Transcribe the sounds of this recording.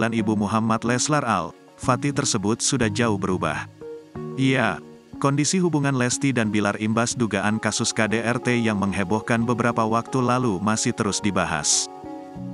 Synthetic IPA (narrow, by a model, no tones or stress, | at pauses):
lanibumuɦamat̪lɛslara̰l | fat̪it̪ərsəbʊt̪̚sudahd͡ʒaʊhbəɾuba̰h | ija | kɔndisiɦubuŋanlɛst̪idanbilarimbasduɡaʔankasʊskadeʔɛrt̪ejaŋməŋɦebɔhkanbəbəɾapawak̚t̪ulalumasɪht̪əɾʊsdibaɦa̰s